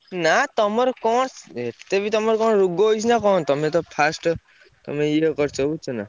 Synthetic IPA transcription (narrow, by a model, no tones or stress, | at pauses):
nat̪ɔmɔɾkɔɽ̃et̪ebit̪ɔmɔɾkɔɳɾuɡoɦojsʰnakɔnt̪ɔmet̪ɔpʰasʈ | t̪ɔ̰meiekɔɾt͡ʃʰɔut͡ʃʰɔna